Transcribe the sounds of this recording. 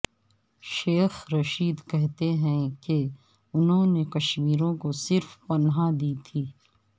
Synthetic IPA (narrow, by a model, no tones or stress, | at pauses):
ʃeːxɾɐʃiːd̪kɛɦt̪eɦɛ̃ke | ʊnɦõnekɐʃmiːɾõkosɪɾfpɐnɦad̪iːt̪ʰiː